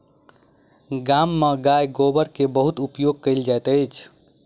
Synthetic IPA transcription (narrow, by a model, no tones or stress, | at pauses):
ɡamːeɡajɡobəɾkebəɦut̪upjoɡ̚kəɪld͡ʒajt̪əjt͡ʃʰ